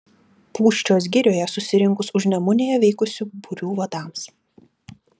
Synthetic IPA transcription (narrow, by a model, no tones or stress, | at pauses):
plˠuːʃʲt͡ʃʲoːs̬ɡʲɪɾʲoːjɛsʊsʲɪɾʲɪŋˑkʊsʊʒʲnʲɛmʊnʲeːjɛʋʲɛɪkʊsʲuːbʊɾʲuːʋɐd̪ɑˑms